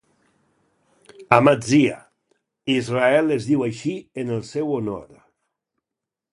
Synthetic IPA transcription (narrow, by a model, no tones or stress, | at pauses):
amad͡zia̰ | izraɛlezðiwajʃiənəlˠsɛwono̰ɾ